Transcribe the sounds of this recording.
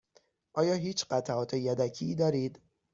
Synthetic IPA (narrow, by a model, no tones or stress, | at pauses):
ʔɒːjɒːɦiːt͡ʃɢæt̪ʰæʔɒːt̪ʰe̞jæd̪æcʰiːd̪ɒːɾiːd̪